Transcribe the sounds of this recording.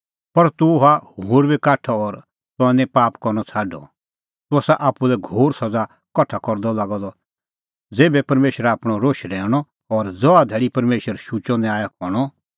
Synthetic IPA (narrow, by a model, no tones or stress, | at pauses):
pɐɾt̪ʊɦahoːɾbikaːʈʰɔɔɾ | t̪ʊɛ̃nɛ̃paːpkɔɾñɔt͡sʰaːɖɔ̰ | t̪ʊɔsaʔaːpːulɛɡʱoːɾsɐd͡za | kɔʈʰakɔɾd̪ɔlaːɡɔd̪ɔ | d͡zeːbɛpɐɾmeːʃɾɛaːpɽ̃ɔɾoːʃɾɛːɽ̃ɔ | ɔɾd͡zɔad̪ʱɛːɽipɐɾmeːʃəɾʃut͡ʃɔ̃nd̪ɛaːjakɔɽ̃ɔ